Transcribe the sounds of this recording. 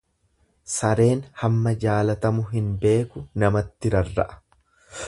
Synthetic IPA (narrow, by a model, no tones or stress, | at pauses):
sɐɾe̞ːnhɐmːɐd͡ʒaːlɐt̪ɐmʊɦɪnbe̞ːkʊnɐmɐt̪ːɪɾɐrːɐ̰ʔɐ̥